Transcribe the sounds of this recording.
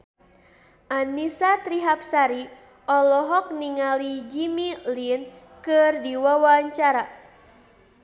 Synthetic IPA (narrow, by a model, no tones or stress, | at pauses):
ʔanisat̪ɾiɦap̚saɾi | ʔɔlɔɦɔk̚niŋalid͡ʒimilin | kɨrdiwawaɲt͡ʃaɾa